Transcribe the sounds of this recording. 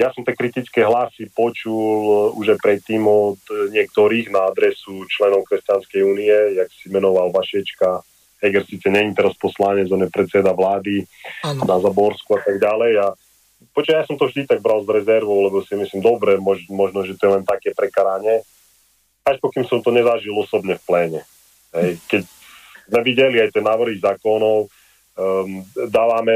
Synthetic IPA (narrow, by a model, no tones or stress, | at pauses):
jasɔmt̪ɛːkɾit̪it͡skɛɦlasipɔt͡ʃuluʒajpɾɛt̪ːiːmɔd̪ɲɪɛkt̪ɔɾiːɣnaad̪ɾɛsut͡ʃlɛnɔʊkɾɛst͡ɕanskɛjuːniɛjaksimɛnɔʋalʋaʃɛt͡ʃka | ɦɛɡɛɾsiːt͡sɛɲɛɲimt̪ɛɾaspɔslaɲɛd͡zɔnɛpɾɛt̪t͡sɛd̪aʋlaːd̪inazabɔɾskuat̪aɡɟalɛja | pɔt͡ʃajaːsɔmt̪ɔvʒd̪it̪aɡ̚bɾalzɾɛzɛɾʋɔʊlɛbɔsiɛmisliːmd̪ɔbɾɛmɔʒmɔʒnɔʒɛt̪ɔjɛlɛnt̪akɛːpɾɛkaɾaɲɛ | aʃpɔkimsɔmt̪ɔɲɛzaʒilˠɔsɔbɲɛfplɛːɲɛ | ɦɛjkɛc | zmɛʋiɟɛliajt̪ɛnːaːʋr̩ɦizaːkɔnɔʊ | d̪aːʋamɛ